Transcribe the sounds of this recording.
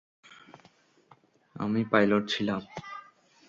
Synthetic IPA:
a̰mipajloʈ̚t͡ɕʰilam

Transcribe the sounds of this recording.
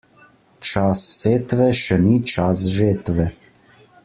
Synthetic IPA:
t͡ʃasːet̪vɛʃɛnit͡ʃas̬ʒet̪vɛ

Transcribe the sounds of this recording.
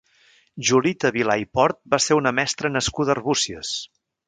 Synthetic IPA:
ʒulit̪əβilajpɔɾt̪̚baseunəmɛst̪ɾənəskuðərβusiəs

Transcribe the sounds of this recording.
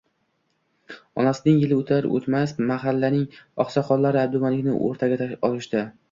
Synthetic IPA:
ɒnasɪnɪŋjɪlɪot̪ʰaɾo̰t̪masmaɦalːanɪŋɒχsɒqɒllːaɾɪab̚d̪ʊmanɪkʲnɪ̰ʔo̰ɾt̪ʰaɡʲaɒlɪʃt̪ɪ

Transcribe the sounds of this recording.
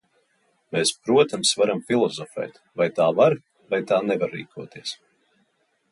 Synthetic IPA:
meːspɾuɔt̪amsvaɾamfilˠɔzɔfɛ̰ːt̪ | vajt̪aːvaɾ | vajt̪aːnɛvaɾːḭːkʰuɔt̪iɛs

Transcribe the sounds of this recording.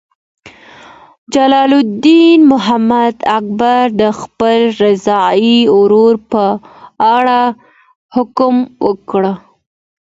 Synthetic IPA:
d͡ʒalɑlʊd̪inmʊɦamad̪ak̚baɾd̪əxpəlɾɪzɑiʊɾuɾpəaɽa | hʊkmwəkɽə

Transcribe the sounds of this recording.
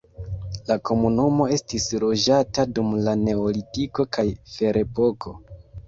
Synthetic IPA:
lako̞munumo̞e̞stislo̞d͡ʒatadumlane̞olitiko̞kajfe̞ɾʔe̞po̞kʰo̞

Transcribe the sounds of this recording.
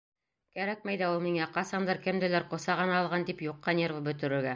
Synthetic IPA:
kæɾæk̚mæjðæulˠmiŋæqɑsɑnd̪ɑɾkɘmd̪ælæɾqŏsɑʁɤ̆nɑːlˠʁɑnt̪ipjuqːɑnʲervɤbɵ̆t̪ɵ̆ɾɘ̆ɾɡæ

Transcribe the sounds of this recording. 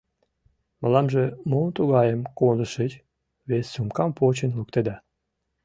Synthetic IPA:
mɑlɑmʒemont̪uɣɑjəmkonəʃet͡ɕ | βesʲːumkɑmpot͡ɕənlukt̪ed̪ɑ

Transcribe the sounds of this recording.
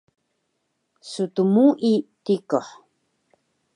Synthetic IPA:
sutumuʔitikoħ

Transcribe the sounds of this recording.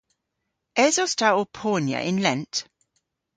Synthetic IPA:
ɛzɔstaʊɔpʰɔːnjə̰ʔɪ̃nlɛ̃nt

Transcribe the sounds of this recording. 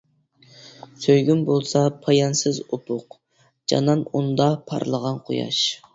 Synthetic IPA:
søjɡʲymbolˠsɑpʰɑjɑnsɪzop̪ʰʊq | d͡ʒɑ̰nɑnund̪ɑpʰɑ̰ɾlˠəʁɑnqʰojɑ̰ʃ

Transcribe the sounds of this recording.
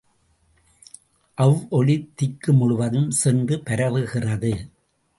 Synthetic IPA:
ʔɐʋʔɔɭɪt̪ːɪkːɯmʊɽʊʋɐðɯmsɛndrɯpɐɾɐʋɯɣɪrɐðɯ

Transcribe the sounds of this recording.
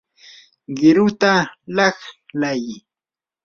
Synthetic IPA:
ɢɪɾʊt̪alɑχlaj

